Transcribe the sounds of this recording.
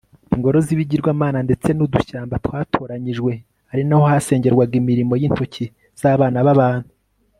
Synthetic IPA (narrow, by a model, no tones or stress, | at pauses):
iŋɡo̞ɾo̞ziβiɟiɾɡwaːmaːnande̞t͡se̞nuduʃaːmbatwaːtʰo̞ːɾaɲiʒɡwe̞ | haɾinaho̞hase̞ːɲɟe̞ɾɡwaɡimiɾimo̞jinto̞cʰi | z̥aːβaːnaβaβaːn̥hu